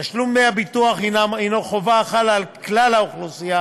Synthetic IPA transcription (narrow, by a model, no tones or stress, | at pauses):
aʃlumːeabit̪uaχinaminoχovaːχalalklalauχlusija